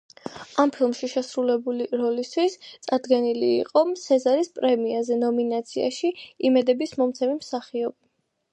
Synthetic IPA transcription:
ampʰilˠmʃiʃɛsɾulɛbuliɾɔlist̪ʰwist̪sʼaɾd̪ɡɛnilḭːqʼɔmt̪sʰɛzaɾispʼɾɛmiazɛnɔminat̪sʰia̰ʃiimɛd̪ɛbismɔmt̪sʰɛmimsaχiɔbi

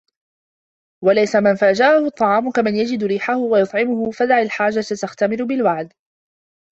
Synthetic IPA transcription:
walajsamɪnfaːd͡ʒaʕahʊt̪ˤːɑʕɑːmʊkamɪnjad͡ʒɪd̪ɾiːħahʊwajʊt̪ˤʕɪmʊhʊfad̪aʕilħaːd͡ʒat̪at̪axt̪amɪɾʊbɪlwaʕd̪

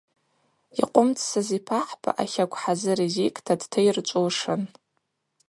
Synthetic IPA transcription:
iqʷʼʊmt͡sʰʼsazipʰaħpʰʼa̰ʔaχʲakʷʰʼħazɨɾizikʼtʰadtʰajrt͡ʃʷʼowʂɨn

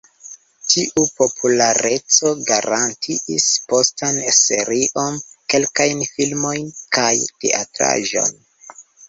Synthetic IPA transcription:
tʰiʔupo̞pʰulaɾʔe̞t͡so̞ɡaɾʔantʰiispo̞stanse̞ɾiʔo̞nke̞lkajnfilmo̞jnkajte̞̰ʔa̰tɾa̰ʒo̞̰n

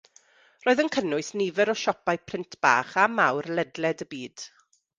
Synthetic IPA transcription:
roːðənkʰənʊɨsnivɛɾɔʃɔpajpʰrɪntʰb̥a̰ːχamawrlˠɛdlɛdəbiːd̥

